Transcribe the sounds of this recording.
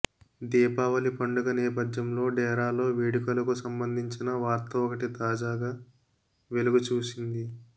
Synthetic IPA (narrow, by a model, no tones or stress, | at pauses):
d̪iːpaːʋɐlipɐɳɖuɡɐnɛːpɐd̪jɐmlo̞ːɖɛːɾaːlo̞ːʋiːɽikɐlɐkusɐmbɐnd̪ʱiɲt͡ʃinɐʋaːɾt̪ɐɔkɐʈit̪aːd͡ʒaːɡaː | ʋe̞luɡut͡ʃuːsind̪i